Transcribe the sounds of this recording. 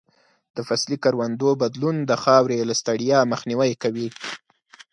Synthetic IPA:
d̪̥əfaslikaɾwand̪obad̪lund̪əxɑwɾelast̪aɽijɑməxniwajkawi

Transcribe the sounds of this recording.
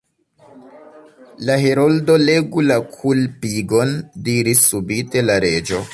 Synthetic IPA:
laɦeɾoldo̞le̞ɡulakʰulpiɡo̞ndiɾisːubite̞laɾe̞d͡ʒo̞

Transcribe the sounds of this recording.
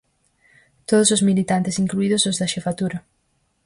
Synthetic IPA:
t̪oðʊsʊzmilit̪ant̪ɪsiŋkluiðʊzʊzðɐʃefat̪uɾɐ

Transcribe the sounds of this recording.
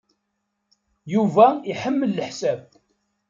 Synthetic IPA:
juvæiħəmːəlːəħsæb

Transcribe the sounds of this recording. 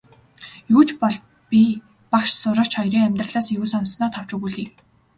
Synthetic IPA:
juːt͡ɕpɔɮt̪ | pʲi | pakʃsʊɾə̆kt͡ɕχɔjɾiːŋæmʲt̪rə̆ɮaːsjuːsɔnsnɔːt̪ʰɔw̥t͡ɕuɣuɮiː

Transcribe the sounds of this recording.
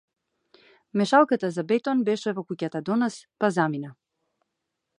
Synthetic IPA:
mɛʃalˠkat̪azabɛt̪ɔnbɛʃɛvɔkucat̪ad̪ɔnaspazamina

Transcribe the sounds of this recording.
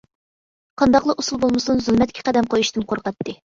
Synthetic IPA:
qʰɑnd̪ɑqlˠɑʔusulˠbolˠmɨsunzulˠmɛt̪̚kʲʰɛ̥qæd̪ɛmqʰojuʃt̪ɨmqʰoɾqɛt̪ʰːɨ

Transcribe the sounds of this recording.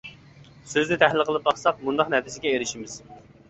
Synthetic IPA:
søznɪt̪ʰæɦlɪlqʰəlˠɨp̚bɑχsɑq̚mund̪ɑqnɛt̪ʰɪsɪɡʲɛeɾɪʃimɪz̥

